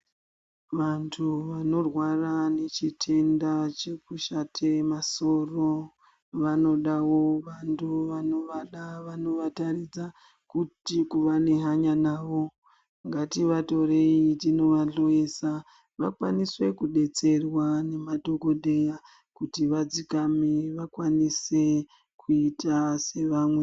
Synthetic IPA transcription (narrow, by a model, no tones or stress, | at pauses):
ʋantʰuʋano̞rwarane̞t͡ʃitʰe̞ndat͡ʃe̞kuʃatʰe̞maso̞ro | ʋano̞ɗawo̞ʋantʰuʋano̞ʋaɗaʋano̞ʋatarid͡za | kutikuʋane̞ɦaɲanaːʋo̞ | ŋɡatiʋato̞reitino̞ʋaɮoesa | ʋakwaniswe̞kuɗe̞t͡se̞rwane̞mado̞ko̞ɗe̞ja | kutiʋad͡zikamiʋakwanise̞ | kuitase̞ʋamwe̞